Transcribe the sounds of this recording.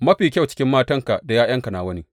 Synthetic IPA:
mɐ˦ɸiː˨kʲɐ˦˨wt͡ʃɪ̥˦kʲɪ˦mːaː˦tɐ˦ŋka˨ʔda˨jaː˦jɐ˦ŋka˨naː˨wɐ˦niː˦

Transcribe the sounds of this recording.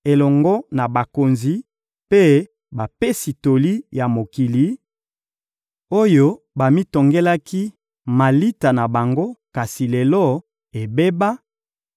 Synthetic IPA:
e˨lɔ˨ŋɡɔ˦na˨ba˨ko˨nzi˨ | pe˦ | ba˨pe˦si˨to˨li˦ja˨mo˨ki˨li˨˦ | o˦jo˦ | ba˨mi˦to˨ŋɡe˦la˦ki˦ | ma˨li˦ta˨na˨ba˨ŋɡo˦ka˨si˨lɛ˨lɔ˦ | e˨be˦ba˦

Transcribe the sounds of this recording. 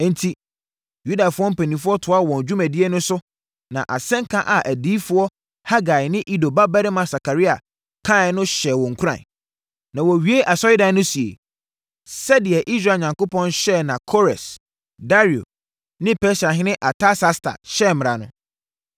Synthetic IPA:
n̩˨˦tʰi˦ | ju˦da˨fʊ˦ɔ˦m̩˦pʰæ˨nĩ˨fʊ˦ɔ˦tʰʊ˨a˦˨wɔ̃˨n˨d͡ʑᶣu˦mæ̃˨di˦e˦nʊ̃˦sʊ˦ | nã̰˨ʔa̰˨sɛ̃˦ŋ˦kʰã˦ʔa˨ʔæ˨diː˦fʊ˦ɔ˦ | ha˦ɡa˨ɪ˨nɪ̃˦ʔi˦do˨ba˦ba˦ɾɪ˦mã˨sa˨kʰa˨ɾi˦a̰˨ | kʰã˦˨˦nʊ̃˦ɕɛ˨wɔ̃˨ŋ̩˨kʰu˦ã̰˨ | nã˨wɔ˨ɥi˨˦e˦ʔa˨sɔ˦ji˦dã˨˦nʊ̃˦si˨ḛ˨ | sɛ˦dɪ˨ɛ˨ʔi˦s̬ɾa˨ɲã˨ŋko˦pʰɔ̃˦nɕɛ˦˨nã˨kʰo˦ɾɛ˨s | da˦ɾi˨o̰˨ | nɪ̃˦pʰɛ˦sa˨ɦɪ̃˦nɪ̃˦ʔa˨tʰa˦sa˦stʰa̰˨ɕɛ˦˨mɪ̃˨ɾa˨nʊ̰̃˦

